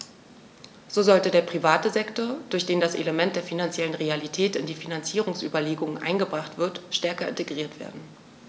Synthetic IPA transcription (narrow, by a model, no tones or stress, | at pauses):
z̥oːzɔltədeːɐpʁ̥ivaːtəzɛktoɐd̥ʊɐçd̥eːndasʔḛləmɛnt̚d̥eːɐfinant͡sjɛlənʁealitʰɛːtɪndiːfinant͡siːʁ̞ʊŋsʔyːbɐleːɡʊŋənʔa̰ɪnɡəbʁaχtv̥ɪɐtʃtɛɐkɐɪ̰nteɡʁiːɐtv̥ḛːɐdn̩